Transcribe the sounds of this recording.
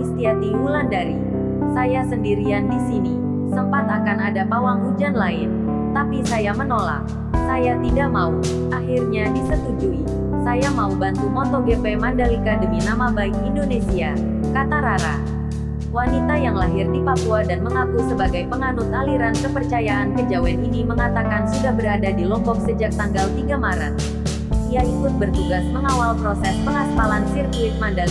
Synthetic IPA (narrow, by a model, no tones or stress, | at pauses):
ist̪iat̪iɦulandaɾi | sajasəndiɾiandisini | səmpat̪akanadapawaŋud͡ʒanlaɪn | t̪apisajamənola̰k̚ | sajat̪idaʔmau | ʔahirɲadisət̪ud͡ʒui | sajamaubant̪umɔt̪oɡepemandalikadəminamabaɪk̚indonesia | kat̪aɾaɾa | wanit̪ajaŋlaɦɪrdipapuadanməŋakusəbaɡajpəŋanusaliɾankəpərt͡ʃajaʔankəd͡ʒawɛniniməŋat̪akansudahbəɾadadilɔmbɔk̚səd͡ʒak̚t̪aŋɡalt̪iɡamaɾət̪̚ | ʔiaikʊt̪̚bərt̪uɡasməŋawalpɾosɛspəŋaspalansirkuɪt̪̚mandali